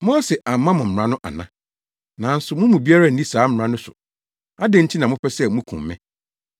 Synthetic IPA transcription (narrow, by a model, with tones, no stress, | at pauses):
mɔ̃˦sɛ˨ʔa˨m˨˦mã˦mʊ̃˨m̩˨ɾã˦nʊ̃˦ʔa̰˨nã˦ | nã˨n̩˦sʊ˨mʊ̃˦mũ˨bi˦a˦ɾa˦˨n̩˦di˦saː˨˦m̩˦˨ɾã˦nʊ̃˦sʊ̰˨ | a˦dɛ̃˦n̩˦tʰi˦nã˨mʊ̃˦pʰɛ˦sɛ˦mũ˦kʰṵ̃˨mː˦ɛ̃˦